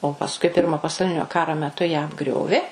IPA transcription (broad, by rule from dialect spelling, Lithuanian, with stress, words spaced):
oː pɐsˈkʊɪ ˈpʲɪrmoː pɐsɐʊˈlʲɪnʲoː ˈkɑːroː mʲɛˈtʊ jæː ɐbˈɡrʲoːʋʲeː